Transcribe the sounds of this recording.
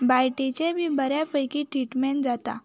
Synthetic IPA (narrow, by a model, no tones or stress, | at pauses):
bajʈet͡ɕebʱiːbəɾjapəjkiʈɾiʈmɛ̃ɳd͡zat̪a̰